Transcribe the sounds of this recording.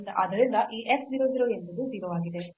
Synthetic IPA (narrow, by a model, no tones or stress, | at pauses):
nd̪ɐʔɐd̪ɐɾind̪ɐʔiːʔeksd̪iɾoːnd̪iɾoːent̪ɐd̪ud̪iːɾɐʋaːɡid̪e̞